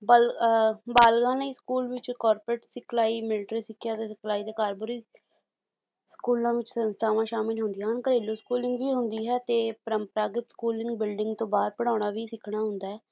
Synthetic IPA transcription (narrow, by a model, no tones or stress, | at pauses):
blbaːlɡãːneskuːlʋɪt͡ʃkɔːɾpɾəʈsɪkʰlaːiːmɪlʈɾiːsɪkʰːjaːt̪eːsɪkʰlaːiːd̪eːkaːɾbʊɾiː | skuːlãːʋɪt͡ʃsənst̪ʰaːʋãːʃaːmɪlɦʊ̃nd̪iːnkəɾeːloːskuːlɪŋɡʋiːɦʊnd̪iːɦɛːt̪eːpəɾəmpəɾaːɡɪt̪skuːlɪŋɡbɪlɖɪŋɡt̪õːbaːɾpəɽ̃aːɳ̃aːʋiːsɪkʰɳ̃aːɦʊ̃nd̪aːɦɛː